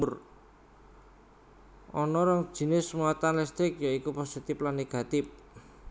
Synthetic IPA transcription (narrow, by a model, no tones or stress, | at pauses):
ʊr | ʔɔnɔɾɔŋ̥ʒ̥i̤nɪsmuwat̪anlɛst̪ɾɪkjaikuposit̪ɪplanːeɡ̥a̤t̪ɪp̚